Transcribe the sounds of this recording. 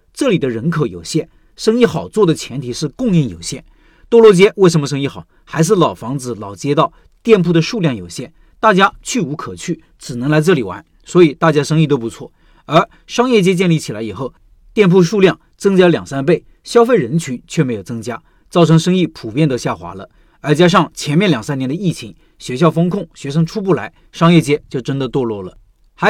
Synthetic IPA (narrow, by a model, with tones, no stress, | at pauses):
ʈ͡ʂɤ˥˩li˨˩d̪ə˦ɻə˧˥nkʰɤ˧˥jo̰˨˩ʊɕjɛ˥˩n | ʂɤ˥ŋi˥˩xɑ˨˩ʊt͡swɔ˥˩d̪ə˩t͡ɕʰjɛ˧˥nt̪ʰi˨˩ʂɻ̩˥˧kʊ˥˧ŋi˥˩ŋjo̰˨˩ʊɕjɛ˥˩n | t̪ɔ˥lwɔ˥˩t͡ɕjɛ˥we˥˩ɪʂ̬ə˧˥nmə˧ʂ̬ɤ˥ŋi˥˩xɑ˨˩ʊxa˧˥ɪʂ̬ɻ̩˥˩lɑ˨˩ʊfɑ˧˥ŋt͡sɹ̩˧˩lɑ˨˩ʊt͡ɕjɛ˥t̪ɑ˥˧ʊ | t̪jɛ˥˧npʰu˥˩d̪ə˩ʂu˥˧ljɑ˥˩ŋjo˨˩ʊɕjɛ˥˩n | t̪a˥˩t͡ɕja˥t͡ɕʰy˥˩u˧˥kʰɤ˨˩t͡ɕʰy˥˩ | ʈ͡ʂɻ̩˨˩nɤ˧˥ŋla˧˥ɪʈ͡ʂɤ˥˩li˨˩wa̰˧˥n | swɔ˧˥i˨˩t̪a˥˩t͡ɕja˥ʂɤ˥ŋi˥˩t̪o˥pu˧˥t͡sʰwɔ̰˥˩ | ə˞˧˥ | ʂɑ˥ŋjɛ˥˧t͡ɕjɛ˥t͡ɕjɛ˥˧nli˥˩t͡ɕʰi˨˩la˧˥ɪi˨˩xo˥˩ʊ | t̪jɛ˥˧npʰu˥˧ʂu˥˧ljɑ˥˩ŋ | t͡sɤ˥ŋt͡ɕja˥ljɑ˨˩ŋsa˥np̬e˥˩ɪ | ɕjɑ˥ʊfe˥˩ɪɻə˧˥nt͡ɕʰy˧˥t͡ɕʰɥɛ˥˩me˧˥ɪjo˨˩ʊt͡sɤ˥ŋt͡ɕja˥ | t͡sɑ˥˩ʊʈ͡ʂʰɤ˧˥ŋʂɤ˥ŋi˥˩pʰu˨˩pjɛ˥˩nd̪ə˧ɕja˥˩xwa̰˧˥lə̰˧ | ə˞˧˥t͡ɕja˥ʂ̬ɑ˥˩ŋt͡ɕʰjɛ˧˥nmjɛ˥˩nljɑ˨˩ŋsa˥njɛ˧˥nd̪ə˧i˥˩t͡ɕʰi˧˥ŋ | ɕɥɛ˧˥ɕjɑ˥˩ʊfɤ˥ŋkʰʊ˥˩ŋɕɥɛ˧˥ʂ̬ɤ˥ŋʈ͡ʂʰu˥pu˥˩la˧˥ɪ | ʂɑ˥ŋjɛ˥˩t͡ɕjɛ˥t͡ɕjo˥˩ʊʈ͡ʂə˥nd̪ə˨t̪wɔ˥˧lwɔ˥˩lə˩ | x